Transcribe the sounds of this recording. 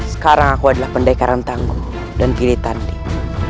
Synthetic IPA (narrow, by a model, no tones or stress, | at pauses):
sə̥kaɾaŋakuadalahpəndaikaɾant̪aŋɡu | danpilit̪andi